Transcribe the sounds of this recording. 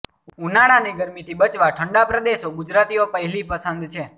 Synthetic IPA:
unaɽaneɡəɾmit̪ʰibət͡ʃʋaʈʰəɳɖapɾəd̪eʃoɡud͡ʒɾat̪iopəɦɛlipəsənd̪t͡ʃʰe

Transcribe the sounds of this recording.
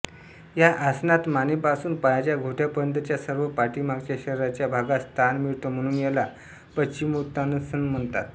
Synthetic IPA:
jaʔasnat̪manipasuːnpajat͡ɕjaɡʱoʈʰjapəɾənd̪at͡ɕjasəɾʋəpaɾʈiːmaɡt͡ɕjaɕəɾɾat͡ɕjabʱaɡast̪ʰanmiɭt̪om̤əɽ̃uːnjela | pət͡ɕimut̪anəsənm̤əɳt̪at̪

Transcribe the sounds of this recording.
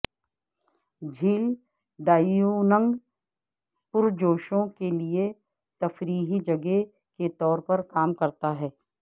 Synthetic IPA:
d͡ʒʱiːl | ɖaːjjunə̃ŋɡ | pʊɾd͡ʒoːʃõkelie | t̪ɐfɾiːɦid͡ʒɐɡe | ket̪ɔːɾpɐɾkaːmkɐɾt̪aɦɛː

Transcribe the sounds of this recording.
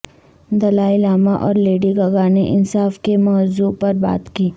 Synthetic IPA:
d̪ɐlaːɪlaːmaʔɔːɾleːɖiɡɐɡaːneʔɪnsaːfkemɔːzupɐɾba̰ːt̪kiː

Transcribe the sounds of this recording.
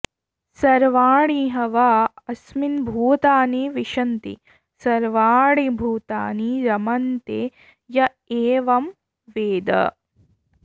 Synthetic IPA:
sɐɾʋaːɽiɦɐʋaːɐsminbʱuːt̪aːniʋiʃɐnt̪ḭ | sɐɾʋaːɽibʱuːt̪aːniɾɐmɐnt̪e | jɐ | eːʋɐm | ʋeːd̪ɐ̰

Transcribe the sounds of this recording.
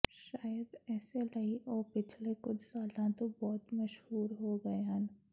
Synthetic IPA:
ʃaːjəd̪ɛːselɐiʔɔːɾpɪt͡ʃʰlekʊt͡ʃʰsaːlãt̪obɔːt̪mɐʃɦuːɾɦoɡɐeɦən

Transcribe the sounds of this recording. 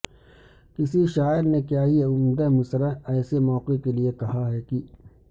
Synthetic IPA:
kɪsiʃaːɪɾnekjaːɦiʊmd̪emʊsɾəɛːsemɔːqekeliekɐɦaɦɛːki

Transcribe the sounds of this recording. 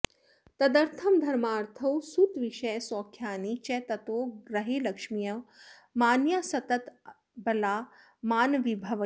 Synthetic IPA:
t̪ɐd̪ɐɾt̪ʰɐmd̪ʱɐɾmaːɾt̪ʰɐwsut̪ʋiʃɐjsɔːkʰjaːnit͡ʃɛːt̪ɐt̪oːɡɾɐɦeːlɐkʂmijɐ | maːnjaːsɐt̪ɐt̪ | bɐlaː | maːnʋibʱɐʋ

